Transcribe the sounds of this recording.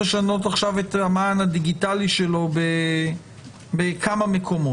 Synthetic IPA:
eʃano̞t̬aχʃavetamaːnhad̪iɡitaliʃe̞lo̞be | bekʰamame̞kʰo̞mo

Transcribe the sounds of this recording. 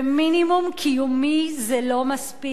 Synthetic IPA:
minimumkʰijumizɛlomaspi

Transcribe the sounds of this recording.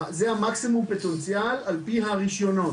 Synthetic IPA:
zeamaksimumpet̪ent͡sjalalpiɦaʁiʃjono

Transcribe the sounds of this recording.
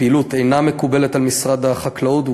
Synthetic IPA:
ilut̪e̞jname̞kube̞let̪almisʁad̪aχaklaut̪

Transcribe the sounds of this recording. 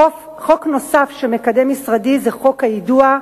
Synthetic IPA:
χo̞kno̞safʃeme̞kade̞misʁadizeχo̞khajidua

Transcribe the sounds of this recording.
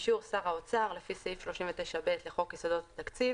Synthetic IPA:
ʃuʁsaʁaot͡saʁlefiseifʃlo̞ʃimvet̪eʃabe̞t̪leχo̞kjesod̪ott̪akt͡siv

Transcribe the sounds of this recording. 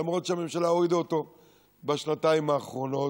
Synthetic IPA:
amʁo̞t̪ʃeame̞mʃalaoʁid̪aot̪o̞ | baʃnat̪aimaːχʁo̞no̞

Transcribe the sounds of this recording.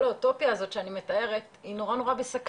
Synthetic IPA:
lauto̞pjaːzo̞tʃeanime̞tae̞ʁetino̞ʁano̞ʁabesak

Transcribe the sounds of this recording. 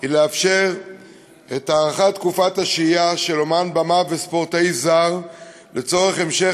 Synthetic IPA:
ileafʃe̞ʁ | etaːʁaχat̪kufataʃijaʃe̞lo̞manbamavespo̞ʁtejzaʁ | le̞t͡so̞ʁe̞χe̞mʃe

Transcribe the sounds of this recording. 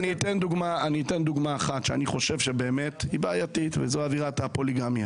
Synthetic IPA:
niːt̪end̪uɡmaaniːte̞nd̪uɡmaːχatʃeaniχo̞ʃe̞vʃe̞be̞ːme̞thibaːajatit̪vezoaviʁatapo̞liɡamja

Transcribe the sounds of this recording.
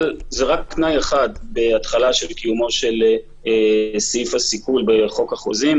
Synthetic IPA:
lzeʁakːnajeχad̪beat̪χalaʃe̞lkijumo̞ʃel | esifasikulbeχo̞kaχo̰zim

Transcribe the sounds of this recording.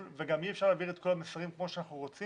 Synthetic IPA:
lveɡamiefʃaʁlaːviʁet̪̚ko̞lamesaʁimkmo̞ʃeanaχnuʁo̞t͡si

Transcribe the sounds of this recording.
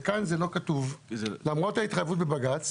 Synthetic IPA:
kanzelo̞katuvlamʁo̞thait̪χajvutbebaɡat͡s

